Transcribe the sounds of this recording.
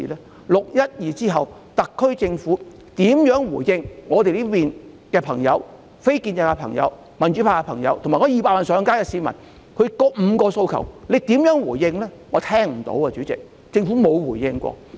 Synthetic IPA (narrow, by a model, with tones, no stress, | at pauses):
lɛː˥ | lʊ˨k̚jɐ˥t̚jiː˨˧t͡siː˥ɦɐ˨w | t̪ɐ˨kʰːɵ˥ɥt͡sɪ˧ŋfu˨˥ | t̪iː˨˥mjœː˨˥ŋwuː˨˩jjɪ˧ŋŋɔː˨˧t̪e˨jli˥piː˨n | kɛː˧pʰɐ˨˩ŋjɐ̰˨˧w | fe˥jkiː˧njɛ˧ka˧pʰɐ̰˨˩ŋjɐ̰˧w | mɐ˨nt͡ʃy˨˧˥pʰaː˧ka˧pʰɐ˨˩ŋjɐ̰˨˧wt̪ʰo˨˩ŋmaː˨˩ŋɔ˧jiː˨˧paː˧mɐ˨˩nsœː˨˧ŋkaː˥jkɛ˧siː˨˧mɐ̰˨˩n | kʰɵ˧˥kɔː˧m̩˨˧kɔː˧so˧wkʰɐ̰˨˩wle˨˧jt̪iː˨˥mjœː˨˥ŋwuː˨˩jːɪ˧ŋlɛː˥ŋɔː˨˧˥t̪ʰɛː˥ŋm̩˨˩t̪o̰˨˥wɐ˧t͡ʃyː˨˥t͡sɪ̰˨k̚ | t͡sɪ˧ŋfuː˨˥mo˨˧wwuː˨˩jɪ˧ŋkʷɔ̰ː˧